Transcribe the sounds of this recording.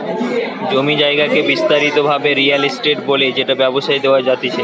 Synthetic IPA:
d͡ʑomid͡ʑaeɡakebist̪aɾit̪obʱabeɾialisʈeʈ̚boled͡ʑeʈabɛboʃajd̪eoaɾd͡ʑat̪ia

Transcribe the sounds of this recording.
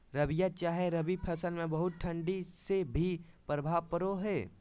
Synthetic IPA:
ɾɐbijat͡ʃaːɦeɾɐbipʰɐsəlmẽbɐɦʊt̪̚ʈʰə̃ɳɖisebʱipɾəbʱaːʋpəɾoɦɛː

